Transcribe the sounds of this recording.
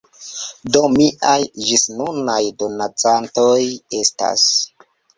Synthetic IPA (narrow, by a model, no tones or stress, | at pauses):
do̞miʔajd͡ʒisnunajdo̞nat͡santoje̞sta̰s